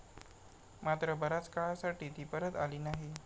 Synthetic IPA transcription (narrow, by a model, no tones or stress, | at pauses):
mat̪ɾəbəɾat͡skaɭasaʈiːt̪iːpəɾət̪a̰liːnaɦi